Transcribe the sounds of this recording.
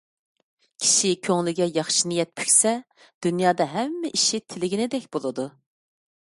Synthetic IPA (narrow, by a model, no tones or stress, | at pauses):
kʲʰi̥ʃikʲʰøŋlɪɡʲɛjɑχʃinijɛt̪̚pʰy̥kʲsɛ | d̪̥ynjɑːd̪ɑɦɛmːɪʔiʃit̪ʰɪlɪɡʲinɪd̪ɛkʲbolˠɨd̪u